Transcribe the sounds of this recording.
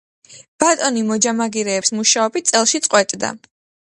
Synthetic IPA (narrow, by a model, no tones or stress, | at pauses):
b̥at̪ʼɔnimɔd͡ʒamaɡiɾɛːpsmuʃaɔbit̪̚sʼɛlˠʃit̪sʼqʼwɛt̪ʼd̪a̰